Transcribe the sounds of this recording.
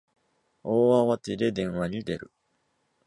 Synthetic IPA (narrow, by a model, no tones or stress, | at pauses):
oːaβat̪ed̪e̞d̪ẽ̞ɰ̃βaɲ̟id̪e̞ɾɯ̟̰